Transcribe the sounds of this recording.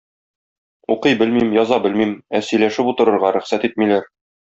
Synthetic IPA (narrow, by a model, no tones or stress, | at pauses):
uqɤjbɘlmimjɒzɑbɘlmimæsɵ̆jlæʃɘput̪ɤ̆ɾɤ̆ɾʁɑɾæ̆χsæt̪it̪̚milæɾ